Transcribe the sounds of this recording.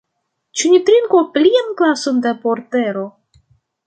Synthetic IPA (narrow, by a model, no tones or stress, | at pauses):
t͡ʃunʲit̪ɾiŋkoplʲianklasond̪apoɾt̪eɾo